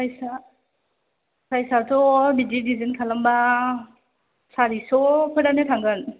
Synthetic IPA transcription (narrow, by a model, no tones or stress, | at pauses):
sajsa | sajsatɔbididizinkʰalamba | saɾisɔpʰɯɾanetʰaŋɡɯn